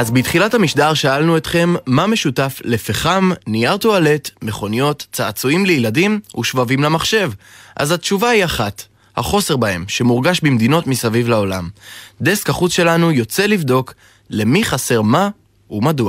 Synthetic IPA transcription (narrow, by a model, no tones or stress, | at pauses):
azbitχilathamiʃdaʁʃaalnuet̪χe̞mːame̞ʃutaflefeχamniaʁt̪uale̞t̪me̞χo̞nijo̞tt͡saːt͡suimlejiladimuʃvavimlamaχʃe̞vʔa̰zhatʃuvahiaχat | ha̰χo̞se̞ʁbahe̞mʃe̞muʁɡaʃbimd̪ino̞tmisavivlao̞la̰md̪e̞skaχut͡sʃe̞lanujo̞t͡se̞livdo̞k | le̞miχase̞ʁma | umadua